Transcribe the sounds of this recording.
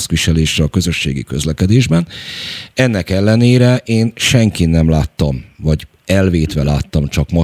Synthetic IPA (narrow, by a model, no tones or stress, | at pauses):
skʋiʃɛleːʃrɛɒkø̞zø̞ʃːḛːɡḭkø̞̰zlɛkɛd̪eːʒbɛn | ɛnːɛkɛlːɛneːɾɛʔeːnʃɛŋkinːɛmlaːt̪ːɒmvɒɟ | ɛlveːt̪ʋɛlaːt̪ːɒmt͡ʃɒkmɒ